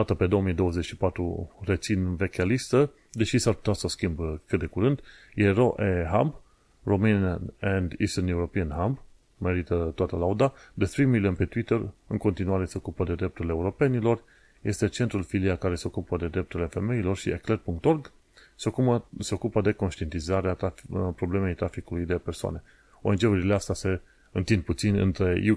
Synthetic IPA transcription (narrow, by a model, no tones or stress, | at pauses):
at̪əpe̞d̪o̞omijd̪o̞wəze̞t͡ʃʲʃipat̪ɾṵre̞t͡ʃinve̞kʲalist̪ə | d̪e̞ʃisarpu̥t̪asoskʲimbkɨt̪̚d̪e̞kuɾɨnd̪ | jeɾo̞ʔeɦamb | romɨnɛnd̪ist̪ənuuɾopiənɦamb | me̞ɾit̪ət̪oat̪əlaud̪ad̪espɾimilənpe̞t̪uit̪əɾɨŋko̞nt̪inuaɾe̞se̞o̞kupəd̪ed̪ɾe̞p̚t̪uɾileːuɾo̞pe̞nilo̞r | je̞st̪e̞t͡ʃe̞nt̪ɾulfiliakaɾe̞se̞o̞kupəd̪e̞d̪ɾe̞p̚t̪uɾile̞fe̞me̞ilo̞rʃḭeklet̪̚puŋkt̪o̞rɡ | se̞o̞kuəse̞o̞kupəd̪e̞ko̞nʃt̪ie̞nt̪izaɾeat̪apɾo̞ble̞me̞jt̪ɾafikulujd̪e̞persoa̰ne̞ | o̞̰end͡ʒeuɾileast̪ase̞ | ɨnt̪ind̪̚put̪sinʲɨ̰nt̪ɾe̞ju